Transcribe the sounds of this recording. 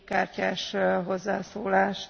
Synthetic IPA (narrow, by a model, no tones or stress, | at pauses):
kaːrcaːʃɦo̞zːaːsoːlaːʃ